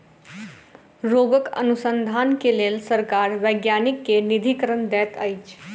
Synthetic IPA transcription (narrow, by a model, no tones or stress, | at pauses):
ɾoɡəkə̰nusənd̪ʱaːnkelelsəɾkaɾʋəjɡjanikːenid̪ʱikəɾənd̪ɛːt̪əjt͡ʃʰ